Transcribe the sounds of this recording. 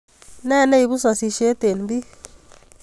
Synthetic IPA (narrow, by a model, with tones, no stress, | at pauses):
nɛ˦˨nɛ˦i˨βu˦swa˨si˧ʃe˦t̪e˨nbi˦